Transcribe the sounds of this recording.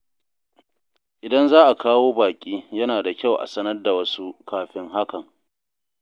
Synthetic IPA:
ʔɪ˨dɐ˦nzaː˦ʔa˨kaː˦woː˦baː˨kʲʼiː˦jɐ˦naː˨da˨kʲa˦˨wʔa̰˨sɐ˦nɐ˦rda˨wɐ˦su˦kaː˦ɸɪ˦ŋɦa˦kɐ˨ŋ

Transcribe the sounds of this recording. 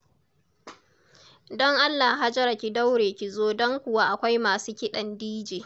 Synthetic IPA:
dɔ˦ŋʔa˦lːa˨ɦa˦d͡ʒɐ˦ɾa˨kʲi˨da˦wɽeː˨kʲi˨zoː˦dɔ˦ŋkʷʊ˨waː˦ʔa˨kʷa˦jmaː˨suː˦kʲɪ˦ɗɐ˨ndiː˦d͡ʒeː˨

